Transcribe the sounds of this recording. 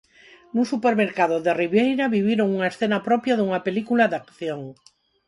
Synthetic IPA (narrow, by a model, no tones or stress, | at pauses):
nũŋsupeɾmeɾkaðoðeriβjejɾaβiβ̞jeɾoŋuŋaesθenapɾɔpjaðuŋapelikulaðakθjoŋ